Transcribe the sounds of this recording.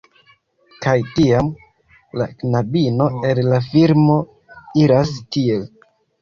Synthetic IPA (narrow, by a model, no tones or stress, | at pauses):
kajtiam | la̰knabino̞e̞llafiɾmo̞ | iɾastie̞l